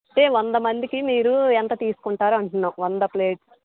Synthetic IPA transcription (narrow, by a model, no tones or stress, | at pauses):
ɐɳʈe̞ːʋond̪ɐmɐnd̪ikimiːɾuɛnt̪ɐt̪iːsu̥kuɳʈaːɾuɐɳʈunːaːmʋɐnd̪ɐpleːʈs